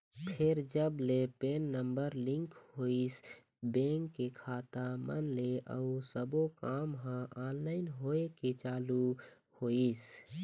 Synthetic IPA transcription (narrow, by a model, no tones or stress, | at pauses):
pʰɪɾd͡ʒəblepeːnːəmbəɾlɪ̃ŋkhois | bẽːŋkːekʰaːt̪amə̰nleʔə̰usəbokaːmɦãʔaːnlaːɪnɦoːeket͡ʃaːlu | hois